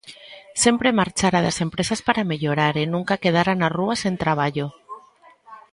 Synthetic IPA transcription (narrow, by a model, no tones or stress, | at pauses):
se̞mpɾemaɾt͡ʃaɾaðase̞mpɾesaspaɾameʎoɾaɾenũŋkakeð̞aɾanaruasent̪ɾaβ̞aʎo